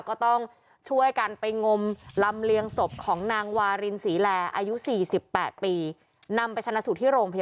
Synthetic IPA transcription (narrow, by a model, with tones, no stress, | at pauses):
kɔː˥˩t̪ɔ˥˩ŋ | t͡ɕʰu˥˩əjka˧npa˧jŋo˧mla˧mli˧əŋso˨˩p̚kʰɔː˩˦ŋnaː˧ŋwaː˧ɾi˧nsiː˩˦lɛː˧ʔa̰ː˧ju˦˥siː˨˩si˨˩pːɛː˨˩t̪̚piː˧ | na˧mpa˧jt͡ɕ̪ʰa˧na˦˥su˨˩t̪ʰiː˥˩ɾoː˧ŋpʰa˧j